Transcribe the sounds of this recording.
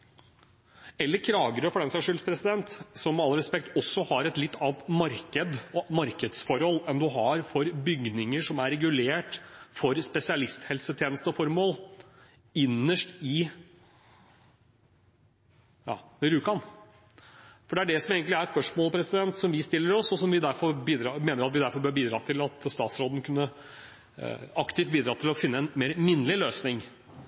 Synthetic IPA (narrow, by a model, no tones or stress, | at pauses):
ɛlːəɾkʰlɑːɡəɾəfɔɖɛnsæʂʉːlpʰɾɛsɪd̪ɛnt̪sɔmɛɑlːəɾɛspɛk̚t̪ɔsːɔhɑɾɛt̪lɪt̪ːɑːnt̪mɑɾkəd̪ɔmɑɾkəd̪sfɔɾhɔlːɛnd̪ʉɦɑɾfɔɾbʏɡnɪŋəʂɔmæɾɾɛɡʉleːʈfɔɾspɛsɪɑlɪst̪hɛlsət̪ʰjeːnəst̪əɔfɔɾmoːl | ɪnːəʂʈɪ | jɑ̰ːʋɛɾʉːkɑn | fɔɖɛæɖɛsɔmeːɡənɪæɾspœʂmoːlpʰɾɛsɪd̪ɛnt̪sɔmʋɪst̪ɪlːəɾɔsɔsɔmʋɪd̪æɾfɔɾbiːd̪ɾɑmeːnəɾɑt̪ʋɪd̪æɾfɔɾbøːɾbiːd̪ɾɑːt̪ʰɪlɑt̪st̪ɑːt̪sɾoːd̪n̩kʰʉnːə | ɑkt̪ɪft̪̚biːd̪ɾɑːt̪ʰɪlɔfɪnːəɛnmeːɾmɪnːlɪløːsnɪŋ